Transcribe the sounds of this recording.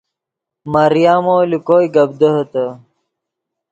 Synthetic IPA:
mɐɾijaːmoːlikoːjɡɐb̚d̪əɦɐt̪ɐ

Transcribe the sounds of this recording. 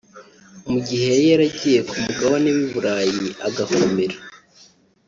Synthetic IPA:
muɟihe̞jeɾaɟije̞kʰumuɡawoneβiβuɾaːjiaɡakʰomeɾa

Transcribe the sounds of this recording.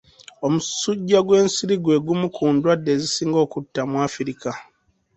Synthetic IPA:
omusuɟːaɡwe̞ːnsiɾiɡwe̞ːɡumukʰuːndwadːe̞ːzisiːŋɡo̞ːkutːamwaːfiɾika

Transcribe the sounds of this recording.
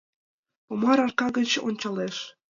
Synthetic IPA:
pomɑɾɑʃkɑɣə̆t͡ɕʔonʲt͡ɕɑleʃ

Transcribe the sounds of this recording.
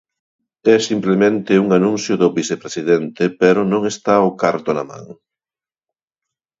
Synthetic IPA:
ɛsimplemẽnt̪ɪuŋanũn̟θjʊðʊβisepɾesiðɛnt̪epɛɾʊnõŋest̪aokaɾt̪ona̰mã̰ŋ

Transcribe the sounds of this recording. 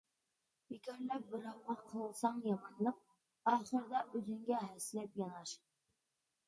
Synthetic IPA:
bikʲʰɑɾlɛp̚bɪɾɑwʁɑqʰəlˠsɑŋjɑmɑnlˠəq̚ | ɑːχəɾd̪ɑʔøzɪŋɡʲɛɦæsɪlɛpjɑnɑʃ

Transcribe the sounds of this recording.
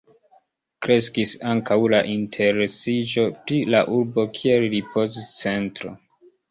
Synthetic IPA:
kɾe̞skisaŋkʰawlaʔintʰe̞ɾesid͡ʒo̞pɾilaʔuɾbo̞kʰie̞lɾipʰo̞st͡se̞ntɾo̞̰

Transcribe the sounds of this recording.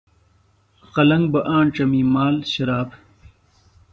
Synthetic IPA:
qɐlɐŋɡbɐʔaːɳʈ͡ʂɐmiːmaːlɕɐɾaːb

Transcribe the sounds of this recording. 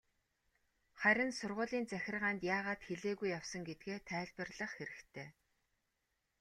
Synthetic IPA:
χæɾʲɪ̆nsʊrʁʊːɮiːnt͡sæxʲɪ̆rʁaːnt̪jaːʁaːt̪xeɮeːɣujːawsə̆ŋɡet̪̚ɡeːt̪ʰæːɮpə̆rɮə̆χxeɾɘ̆kt̪ʰeː

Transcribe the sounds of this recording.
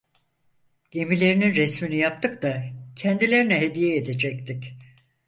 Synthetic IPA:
ɟ̥e̞milʲe̞ɾininɾɛsminijap̚t̪ʰɯkt̪acʰɛnd̪ilʲe̞ɾinɛɦe̞d̪ijɛːd̪ed͡ʒɛct̪ʰic

